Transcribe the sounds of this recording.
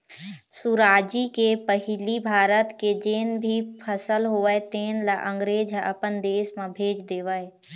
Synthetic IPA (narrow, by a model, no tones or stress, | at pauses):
suɾaːd͡ʒikepəɦɪlibʱaːɾət̪ked͡ʒeːnbʱipʰəsəlɦoəet̪eːnlaʔə̃ŋɡɾeːd͡ʒəpənd̪eːsmãbʱeːd͡ʒd̪eːʋəe